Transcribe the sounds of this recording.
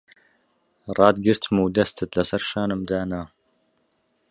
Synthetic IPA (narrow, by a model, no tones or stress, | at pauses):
rˤɑːd̪ɡɨɾt̪ʰmuːd̪ɐst̪ʰɨt̪lɐsɐɾʃaːnɨmd̪aːna